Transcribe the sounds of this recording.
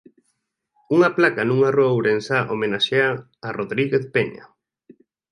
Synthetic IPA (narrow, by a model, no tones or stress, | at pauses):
uŋaplakanũŋaroawɾensaʔomenaʃeaː | roðɾiɣeθpeɲa̰